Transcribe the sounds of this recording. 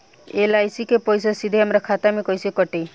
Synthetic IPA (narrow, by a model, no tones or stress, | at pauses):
elajsikepɔjs̬asid̪ʱeamɾɔkʰat̪amekɔjsikɔʈej